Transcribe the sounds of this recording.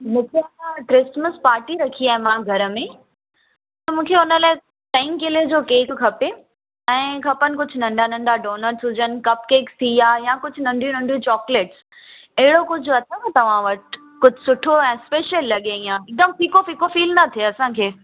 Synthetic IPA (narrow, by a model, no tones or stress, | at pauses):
mũːkʰeɐsãʈɾɪsməspaːɾʈiɾɐkʰiaːɦemãːɡʱɐɾə̆mẽ | t̪ɐmũːkʰeʊnəlaːɪ | ʈɛ̃ɪmkɪled͡ʑoːkeːkkʰɐpe | ɛ̃ːkʰɐpənɪ̆kʊd͡ʑʱʊ̆nɐ̃ɳɖʱanɐ̃ɳɖʱaɖoːnəɾsɦʊd͡ʑənɪ̆kɐp̚keːkst̪ʰiaːjãkʊd͡ʑʱʊnɐ̃ɳɖʱijũnɐ̃ɳɖʱijũt͡ɕɔːkleːʈs | ɐɦɪɽokʊd͡ʑʱʊɐt̪ʰə̃k̪ɐt̪ɐʋ̤ãʋɐʈ | kʊd͡ʑʱʊsʊʈʰoɛ̃ːspeːʃəlːɐɠẽĩãːɪk̚d̪əmpiːkofikofiːlnɐt̪ʰieɐsãkʰeː